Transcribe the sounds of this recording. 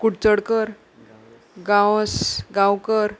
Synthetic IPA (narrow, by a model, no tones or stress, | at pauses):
kuɽt͡səɽkəɾ | ɡãwsɡãwkəɾ